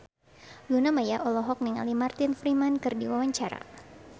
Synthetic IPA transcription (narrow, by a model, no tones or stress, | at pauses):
lunamajaʔɔlɔɦɔk̚niŋa̰limart̪ɪnfɾimankɨrdiwawaɲt͡ʃaɾa̰